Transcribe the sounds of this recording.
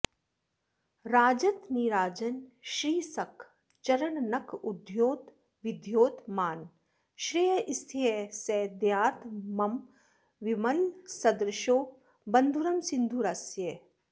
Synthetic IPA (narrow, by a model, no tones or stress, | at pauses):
ɾaːd͡ʒɐt̪niɾaːd͡ʒɐnʃɾiːsɐkʰ | t͡ʃɐɾɐɳnɐkud̪joːt̪ | ʋid̪ʱjoːt̪maːn | ʃɾijɐʔist̪ʰiɦeseːd̪jaːt̪mɐm | ʋimɐlsɐd̪ɾɪʃoː | bɐnd̪ʱuɾɐmsind̪ʱuɾɐsje